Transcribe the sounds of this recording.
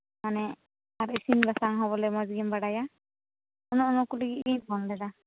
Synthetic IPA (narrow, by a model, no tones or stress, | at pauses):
manɛ | aɾisinbasaŋɦɔβɔlɛmɔzɡimbaɽaja | ɔnɔɔnɔkuliɡiijbʱɔndɛda